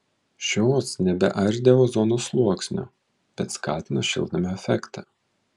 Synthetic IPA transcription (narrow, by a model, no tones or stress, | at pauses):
ʃʲoːsnʲɛbʲɛ̰ʔɐɾʲd̪ʲeːʋoːzɔnoːslˠuɔksʲnʲo̰ː | b̥ʲɛt̪skɑːt̪ʲɪnoʃʲɪ̰lˠd̪ɐmʲɪɛfʲɛkt̪ɑ